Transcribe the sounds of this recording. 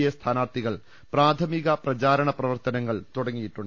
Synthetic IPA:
jest̪ʰaːnaːrt̪iɣɐɭ | praːt̪ʰɐmiɣɐprɐt͡ɕaːɾɐɳɐprɐʋɐrt̪ɐnɐŋːɐɭt̪uɽɐŋːijiʈːuɳɖɨ

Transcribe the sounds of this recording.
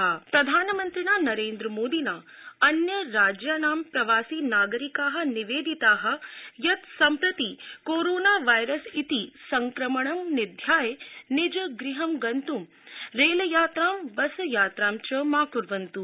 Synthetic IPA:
pɾɐd̪ʱaːnɐmɐnt̪ɾinaːnɐɾeːnd̪ɾɐmoːd̪inaːɐnjɐɾaːd͡ʒjaːnaːmpɾɐʋaːsiːnaːɡɐɾikaːɦɐ̆niʋeːd̪ʱit̪aːɦɐ̆jɐt̪sɐmpɾɐt̪ikoːɾoːnaːʋɐjɾɐsit̪isɐŋkɾɐmɐɳɐmnid̪ʱjaːjnid͡ʒɐɡɾiɦɐmɡɐnt̪um | ɾeːlɐjaːt̪ɾaːmbɐsɐjaːt̪ɾaːmt͡ʃɐmaːkuɾʋɐnt̪u

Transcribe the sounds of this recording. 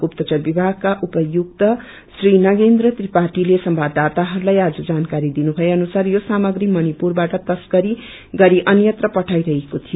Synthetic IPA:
upt̪ʌt͡sʌrbibʱaɡ̚kaʔupʌjukt̪ʌ | srinʌɡend̪rʌt̪ripaʈilesʌmbʱad̪at̪aɦʌɾulajad͡zʌd͡zankaɾid̪inubʱʌjeʌnusarjosamʌɡɾimʌnipurbaʈʌt̪ʌsɡʌɾi | ɡʌɾiʔʌnjʌt̪rʌpʌʈʰajɾʌɦekot̪ʰijo

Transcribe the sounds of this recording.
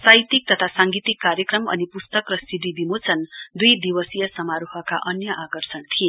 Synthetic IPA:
sajt̪ik̚t̪ʌt̪ʰasaŋɡit̪ikːaɾjʌkrʌmʌ̰nipust̪ʌkrʌsid̪ʱid̪ʱimot͡sʰʌnd̪ujd̪ibʌsijʌsʌmaɾuɦʌka̰ʔʌnjʌʔakʌrsʌnt̪ʰie

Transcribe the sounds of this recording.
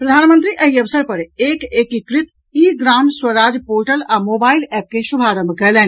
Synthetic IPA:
pɾɐd̪ʱaːnmə̃nt̪ɾiʔɐɦiɐʋsəɾpɐɾeːkeːkikɾɪt̪ | iːɡɾaːmswəɾaːd͡ʒpoːɾʈəlaːmoːbaːɪlɛːp̚keʃʊbʱaːɾə̃mbʱkɐlɛ̃ːn

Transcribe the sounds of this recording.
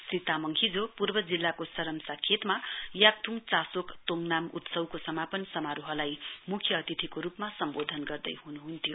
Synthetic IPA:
srit̪amʌŋkʰid͡zopurbʌd͡zilːakosʌɾʌmsakʰet̪majak̚t̪ʰuŋt͡sasokt̪oŋnamṵt̪sʌwkosʌmapʌnsʌmaɾoɦʌlajmukʰjʌːt̪it̪ʰikoɾupmasʌmbod̪ʱʌnɡʌrd̪ʌ̰jɦunuɦunt̪ʰjo

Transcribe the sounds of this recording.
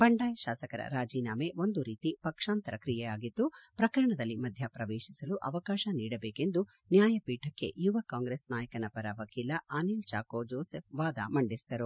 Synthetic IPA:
bɐɳɖaːjɐʃaːsɐkɐɾɐ̰ɾaːd͡ʒiːnaːmeʋond̪uɾiːt̪ipɐkʂaːnt̪ɐɾɐkɾijɛjaːɡit̪ːupɾɐkɐɾɐɳɐd̪ɐlːimɐd̪ʱjɐpɾɐʋeːʃisɐluʔɐʋɐkaːʃɐniːɽɐbeːke̞nd̪u | njaːjɐpiːʈɐkːe̞̰juʋɐkaːŋɡɾeːsnaːjɐkɐnɐpɐɾɐʋɐkiːlɐʔaːnilt͡ʃaːkoːd͡ʒoːsepʋaːd̪ɐ̰mɐɳɖisd̪ɐɾu

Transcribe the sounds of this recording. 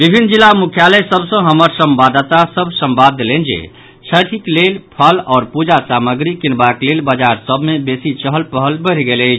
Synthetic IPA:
bibʱinːd͡ʒilːamukʰjaləsəbsə̃ɦəməɾsəmbad̪ət̪asəbʱsəmbad̪ːelɛnd͡ʒḛ | t͡ʃʰəʈʰiklelpʰəlɔːɾpud͡ʒasaməɡɾikinbaklelbəd͡ʒaɾsəbʱmebesit͡ʃəɦəlpəɦəlbəɾɡeləɪt͡ʃʰ

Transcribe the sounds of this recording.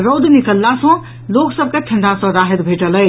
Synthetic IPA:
ɾowd̪nikəlːasɔ̃ | loksəb̚ʱkeʈʰə̃ɳɖasɔ̃ɾaɦed̪bʱeʈələj

